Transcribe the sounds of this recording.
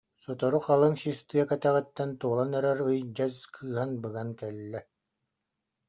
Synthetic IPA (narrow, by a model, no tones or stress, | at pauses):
sɔt̪ɔɾuqalˠɯŋsist̪ɯjɛkɛt̪æʁɛt̪ːɛnt̪uɔlˠanœɾɛɾɯjd͡ʑaskʰɯːɦanbɯɡankɛlːɛ